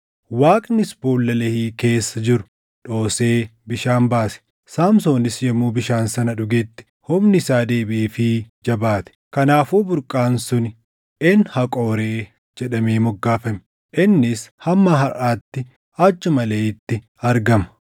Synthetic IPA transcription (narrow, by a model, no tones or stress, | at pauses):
waːkʼnɪspuːlːɐlɛhiːke̞ːsːɐd͡ʒɪɾʊ̥ | ᶑo̞ːseːbɪʃaːnbaːsɛ̥ | saːmsoːnɪsjɛmːuːbɪʃaːnsɐnɐᶑʊɡɛt̪ːɪ̥hɔmnɪsaːd̪e̞ːbɪʔiːfɪd͡ʒɐbaːt̪ɛ̥kɐnaːfuːbʊɾkʼːaːnsʊnɪ | ʔɛnhɐkʼo̞ːɾeː | d͡ʒɛᶑɐmeːmɔɡːaːfɐmɪ | ʔɪnːɪshɐmːaɦɐraːt̪ːɪ | ɐt͡ʃːʊmɐleːɪt̪ːɪ | ɐɾɡɐmɐ̥